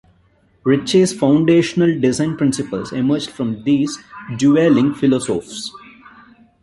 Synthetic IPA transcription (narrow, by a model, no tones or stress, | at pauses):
ɾɪt͡ʃeːzfãʊ̃ɳɖeːʃənəlɖɪzãɪ̃npɾɪ̃nsɪpəlzɪməɾd͡ʒɖfɾɔ̃md̪iːzɖjuelɪ̃ŋɡfɪlɔːsoːfs